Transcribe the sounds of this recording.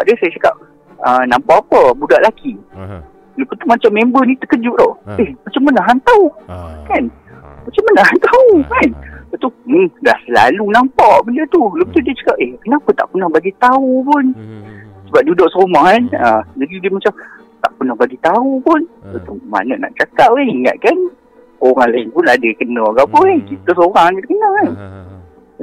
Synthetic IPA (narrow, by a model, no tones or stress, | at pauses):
baʔdiəsajat͡ʃaka̰p̚ | ənampaapəbudaʔlaki | lupət̪umat͡ʃamːẽmbənĩt̪əkəd͡ʒʊʔ̚d̪ɔʔehmat͡ʃamːanaɦant̪aukan | mat͡ʃamːanahɦant̪aukanbat̪uda̰hsəla̰lunampaʔbənət̪ulupət̪udiət͡ʃḁkap̚ʔehkənapət̪a̰ʔkunahbaɡit̪aupʊn | səbap̚dudʊʔsəomahkanəd͡ʒadidiəmat͡ʃam | t̪a̰ʔpunahbaɡit̪aupʊnat̪uma̰nəʔna̰ʔt͡ʃakaʔ̚eiŋa̰t̪̚kan | oɾaŋlaɪnpʊnadəkənəaɡapəekit̪əsoɾaŋkit̪əkənəkan